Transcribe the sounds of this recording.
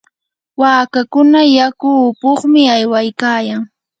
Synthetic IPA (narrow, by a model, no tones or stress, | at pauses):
waːkakʊnajakʊːpoχmɪajwajkaːjaŋ